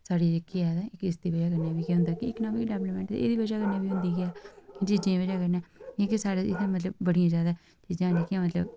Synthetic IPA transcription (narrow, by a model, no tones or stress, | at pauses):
saːɽiːd͡ʒɪkːɪɛd̪aːɪkɪsd̪iːbəd͡ʒaːk̬əɾnãːbiːkeːɦʊ̃nd̪aːkiɪknãːbiɖɛːbləmɛ̃ːɳʈd̪ḛḛːd̪iːbəd͡ʒaːkəɾnẽːbiːɦʊ̃nd̪iːkɪɛːkɪt͡ʃiːd͡ʒãːbəd͡ʒaːkəɾnẽːekɪsaːɾeːɪ̰t̪ʰemət̪ləb̚bəɽijãːzjaːd̪aː | t͡ʃiːd͡ʒãːlekɪãmət̪lə̰b